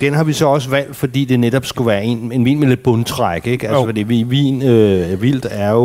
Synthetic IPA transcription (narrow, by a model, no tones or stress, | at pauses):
d̥enɦɑ̈ʋisɒ̽ɒ̽s̬əʋæl̰d̥fɒ̽d̥ḭːd̥e̝neɾ̥ɒ̽b̥sɡ̥uʋæːɐe̝̰ne̝nʋḭːnmele̝d̥̚b̥ɔnt͡sʰʁaɡ̥əeɡ̥ælsəæd̥e̝ʋiʋḭːnøʋil̰d̥æɐo